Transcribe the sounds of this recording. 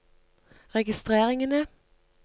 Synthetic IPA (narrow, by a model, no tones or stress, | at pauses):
ʁɛɡɪst̪ʁeːʁɪŋənə